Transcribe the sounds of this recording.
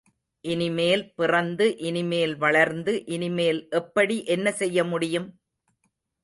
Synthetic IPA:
ʔɪnɪmeːlpɪrɐnd̪ɯʔɪnɪmeːlʋɐɭɐɾnd̪ɯʔɪnɪmeːlʔɛpːɐɽiʔɛnːɐsɛjːɐmʊɽɪjɯm

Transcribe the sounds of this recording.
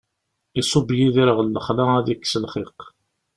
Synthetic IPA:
isˤobjiðiɾəʁəlːəχlaæðikːsəlχiq

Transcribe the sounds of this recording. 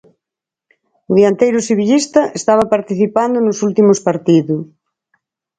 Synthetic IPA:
ʊðiant̪ejɾʊsiβiʎist̪ɐʔest̪aβ̞ɐpaɾt̪iθipand̪ʊnʊsult̪imʊspaɾt̪iðʊ

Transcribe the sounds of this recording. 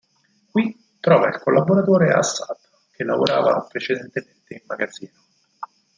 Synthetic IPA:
kwi | t̪ːɾɔːvailkolːaboɾat̪oːɾea̰sːad̪ | k̟ʰelːavoɾaːva̰pɾet͡ʃed̪ent̪ement̪eimːaɡad̪zːiːno

